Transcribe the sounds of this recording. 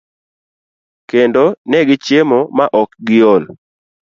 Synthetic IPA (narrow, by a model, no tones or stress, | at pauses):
kendonɛɡɪt͡ʃjemomaʔɔkɡɪol